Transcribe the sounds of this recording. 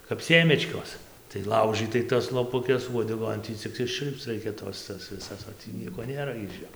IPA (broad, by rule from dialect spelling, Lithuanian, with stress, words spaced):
kɐp ˈsʲeːmʲɛt͡ʃkoːs tɐɪ ˈlˠɐʊʒɨtɐɪ tɐs lˠoːpʊˈkʲɛs uɔdʲɛˈɡoːn ˈtʲiː t͡sʲɪk ɪʃʲˈt͡ʃʲʊlʲpt͡s ˈrɐɪkʲɛ ˈtoːs ˈtɐs ʋʲɪˈsɐs oː ˈtʲiː ˈnʲiɛkoː ˈnʲeːrɐ ɪʃ ˈjoː